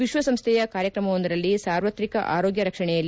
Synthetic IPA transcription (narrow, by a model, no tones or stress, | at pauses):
ʋiʃʋɐsɐmst̪ʰɛjɐkaːɾjɐkɾɐmɐʋond̪iɾɐlːisaːɾʋɐt̪ɾikɐʔa̰ːɾoːɡjɐɾɐkʂɐɳɛjɐlː